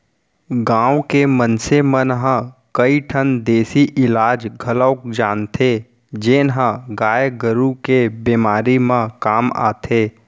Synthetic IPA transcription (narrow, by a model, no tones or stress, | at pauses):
ɡãːwkemənsemənɦə̃kəiʈʰənd̪eːsiʔɪlaːd͡ʒɡʱələʊkd͡ʒaːnt̪ʰeː | d͡ʒeːnɦə̃ɡaːjɡəɾukebeːmaːɾimãkaːma̰ːt̪ʰeː